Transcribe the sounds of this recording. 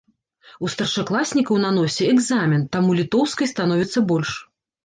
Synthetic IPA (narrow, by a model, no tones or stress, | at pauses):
ust̪ɐrʂaklˠasʲnʲikɐwnan̪ɔsʲɛɛɡzamʲint̪amulʲit̪ɔwskɐjst̪anɔvʲit̪sːɐbɔlʲʂ